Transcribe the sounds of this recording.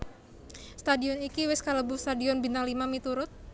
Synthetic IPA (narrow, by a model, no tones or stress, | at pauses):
st̪adiɔnikiwɪskaləbʊst̪adiɔnbinaŋlimamit̪uɾʊt̪̚